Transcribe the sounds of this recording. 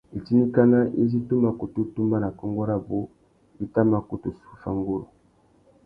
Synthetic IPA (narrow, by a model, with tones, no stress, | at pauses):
e˨ti˦ni˦ka˦na˦ʔe˦zi˦tu˦ma˦ko˨tu˦tu˦mba˦na˨kɔ˦ŋɡo˦ɾa˦bo˦ | i˦ta˦ma˦ko˨to˨su̥˦fa˦ŋɡo˦lo̰˨